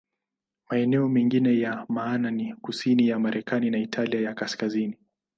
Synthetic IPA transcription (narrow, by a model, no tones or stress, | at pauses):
maɛnɛɔmɛŋɡinɛjamaːnanikusinijamaɾʔɛkʰaninaitʰaliajakaskazini